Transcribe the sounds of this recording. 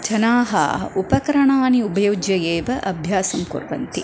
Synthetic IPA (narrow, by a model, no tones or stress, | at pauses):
t͡ʃɐnaːɦɐ̰upɐkɐɾɐɳaːniubɐjoːd͡ʒjɐjeːʋɐʔɐbʱjaːsɐmkṵɾʋɐ̰nt̪i